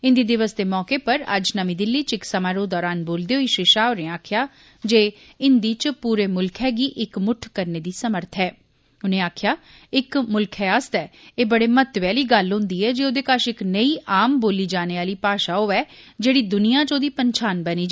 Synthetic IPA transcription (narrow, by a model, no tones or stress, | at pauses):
ɪnd̪iːd̪ɪʋəsd̪eːmɔːkeːpəɾə̰d͡ʒnəmĩːd̪ɪlːiːt͡ʃɪksəmaːɾoːd̪ɔːɾaːnboːld̪eːɦoiːʃɪʃaːonẽːaːkʰjaː | d͡ʒeː | ɪnd̪iːt͡ʃpuːɾeːmʊlkʰɛːɡiːʔɪkmʊʈʰkəɾneːd̪iːsəməɾt̪ʰɦɛː | ʊnẽːaːkʰɪjaː | ɪkmʊlkʰɛːəst̪ɛːeːbəɽeːmət̪ʋɛːliːɡəlɦʊ̃nd̪iːɛːd͡ʒeːoːd̪eːkaʃɪknəiːʔaːmboːliːd͡ʒaːneːaːliːpaːʃaːɦoːɛːd͡ʒeːɽiːd̪ʊnijãːt͡ʃoːd̪iːpənt͡ʃʰaːnbəniːd͡ʒ